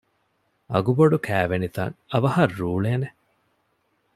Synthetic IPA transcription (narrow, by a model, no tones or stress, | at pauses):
ɐ̰ɡuboɖukʰæːʋenit̪ɐ̰ŋɐʋɐhɐrːuːɭeːne